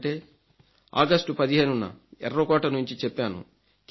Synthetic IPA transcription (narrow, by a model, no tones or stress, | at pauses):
ʈe̞ː | a̰ːɡɐsʈupɐd̪iɦe̞ːnunːɐ̰ɛɾːokɔːʈɐnuɲt͡ʃit͡ʃɛpːaːnṵ | k